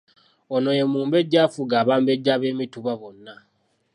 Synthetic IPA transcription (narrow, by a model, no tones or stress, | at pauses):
ono̞jemuːmbe̞ɟːaːfuɡaːβaːmbeɟːaːβe̞ːmituβaβonːa